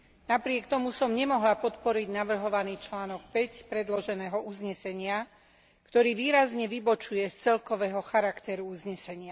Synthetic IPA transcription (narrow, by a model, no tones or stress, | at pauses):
napɾɪɛkt̪ɔmusɔmɲɛmɔɦlapɔt̪pɔɾiɟnaʋr̩ɦɔʋaniːt͡ʃlaːnɔk̚pɛcpɾɛd̪lɔʒɛnɛːɦɔʔuzɲɛsɛɲɪa | kt̪ɔɾiːʋiːɾazɲɛʋibɔt͡ʃujɛst͡sɛlkɔʋɛːɦɔxaɾakt̪ɛɾuuzɲɛsɛɲɪa